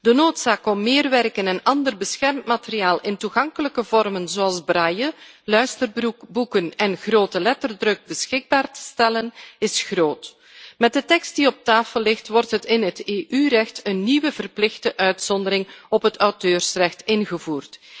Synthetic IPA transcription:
dənoːtsaːkɔmːɪːrʋɛrkənɛnɑndərbəsxɛrmtmateriaːlˠʔɪntuɣɑŋkələkəvɔrmənzoːɑlˠzbrajəlœɥstərbbukənɛnɣroːtəlɛtərdrɵɡ̚bəsxɪɡ̚baːrtə̥stɛlənɪsxroːt | mɛt̚dətɛkst̚diɔp̚taːfəlːɪxtʋɔrtɦətɪnɦəteːʔyrɛxtənːiʋəvərplɪxdəʔœɥtsɔndəɾɪŋɔpɦətɑwtøːrsrɛxtɪnɣəvuːrt

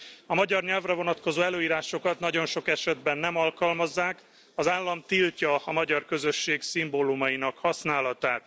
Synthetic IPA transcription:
ɒmɒɟɒrɲɛlvrɛvo̞nɒt̪ko̞zoːɛløːiːɾaːʃo̞kɒt̪nɒɟo̞nʃo̞kɛʃɛd̪bɛnːɛmɒlkɒlmɒzːaːk | ɒzaːlːɒmt̪ilcɒːmɒɟɒrkø̞zøʃːeːksimbolumɒjinɒkhɒsnaːlɒt̪aːt̪

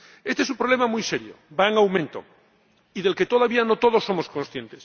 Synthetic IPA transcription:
est̪esumpɾolemamujseɾjo̰baeŋawmẽ̞nt̪o̰ | iðe̞lke̞t̪oð̞aβianot̪oð̞o̞sːo̞mosko̞nsθje̞nt̪es

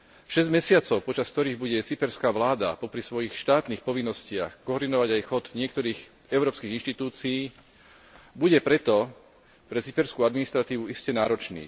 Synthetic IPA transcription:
ʃɛzɟmɛsɪat͡sɔʊpɔt͡ʃask̚t̪ɔɾiːɣbuɟɛt͡sipɛɾskaːʋlaːd̪a̰pɔpɾisʋɔjixʃt̪aːt̪niːxpɔʋinːɔscɪa̰xkɔɔːɾd̪inɔʋaɟajxɔd̪ɲɪɛkt̪ɔɾiːx | ɛʊɾɔːpskiːɣinʃt̪it̪uːt͡siiː | buɟɛpɾɛt̪ɔ | pɾɛt͡sipɛɾskuad̪minist̪ɾat̪iːʋuiscɛnaːɾɔt͡ʃnḭː

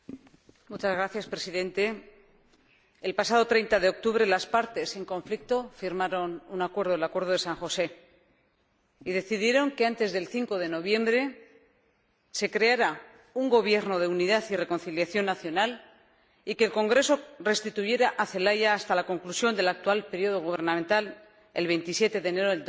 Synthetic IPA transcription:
mut͡ʃazɣɾaθjaspɾe̞siðẽ̞nt̪e̞ | lpasað̞o̞t̪ɾejnt̪aðe̞o̞k̚t̪uβ̞ɾe̞laspaɾt̪e̞se̞ŋkõ̞ɱflik̚t̪o̞fiɾmaɾo̞nunakwe̞ɾðoelakwe̞ɾðo̞ðe̞saŋxo̞se̞ | iðe̞θiðje̞ɾo̞ŋkeant̪e̞zðe̞lθiŋko̞ðe̞no̞β̞je̞mbɾe̞ | se̞kɾe̞aɾa | uŋɡo̞β̞je̞ɾno̞ð̞e̞uniðaθire̞ko̞nθiljaθjo̞nːaθjo̞nal | ikeːlko̞ŋɡɾe̞so̞re̞st̪it̪uʝe̞ɾaʔaθe̞laʝaːst̪alako̞ŋklusjo̞nd̪e̞lak̚t̪ualpe̞ɾjio̞ð̞o̞ɣuβ̞e̞ɾnãmẽnt̪al | elβ̞e̞jnt̪isje̞t̪e̞ðeːne̞ɾoe

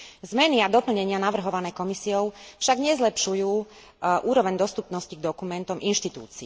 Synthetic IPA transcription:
zmɛniad̪ɔpl̩ɲɛɲɪanaʋr̩ɦɔʋanɛːkɔmisiɔʊfʃaɡɲɛzlɛpʃujuː | ʔuːɾɔʋɛɲd̪ɔst̪upnɔsciɡ̚d̪ɔkumɛnt̪ɔmʔinʃt̪it̪ṵːt͡si

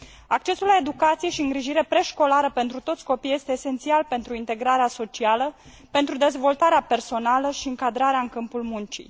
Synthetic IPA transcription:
ak̚t͡ʃe̞sulae̞d̪ukat̪sije̞ʃiɨŋɡɾiʒiɾe̞pɾe̞ʃko̞laɾəpe̞nt̪ɾut̪o̞t̪sʲko̞pijest̪eːse̞nt̪sialpe̞nt̪ɾuint̪e̞ɡɾaɾeaso̞t͡ʃialə | pe̞nt̪ɾud̪e̞zvo̞lt̪aɾeape̞rso̞naləʃiɨŋkad̪ɾaɾeaɨŋkɨmpulmunt͡ʃḭ

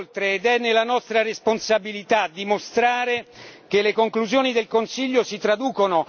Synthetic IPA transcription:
lt̪ɾeːd̪ɛnːelanɔst̪ɾaresponsabilit̪ad̪ːimost̪ɾaːɾek̟elːekoŋkluzjoːnid̪elkonsiʎːosit̪ɾad̪uːkono

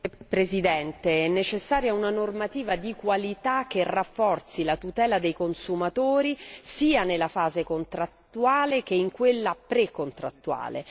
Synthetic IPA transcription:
pɾezid̪ɛnt̪eɛnːet͡ʃesːaːɾjaunanormat̪iːvad̪ikwalit̪ak̟ːerafːɔrt̪silat̪ut̪ɛːlad̪ejkonsumat̪oːɾisiːanelafaːzekont̪ɾat̪ːuaːlek̟eiŋkwelːapɾekont̪ɾa̰t̪ːua̰ːlḛ

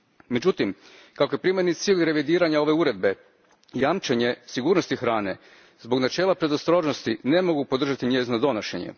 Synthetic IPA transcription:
med͡ʑut̪im | kako̞je̞pɾimjednit̪siːʎʲɾe̞ʋid̪iːɾaɲao̞ʋe̞uɾe̞d̪̚be̞ | jamt͡ʃeɲe̞siɡuːɾno̞st̪ixɾaːne̞̰ | zbo̞ɡnat͡ʃe̞ːlˠapɾe̞d̪ost̪ɾo̞ʒnost̪ine̞mo̞ɡupod̪r̩ʒat̪iɲeːznod̪o̞noʃeɲḛ

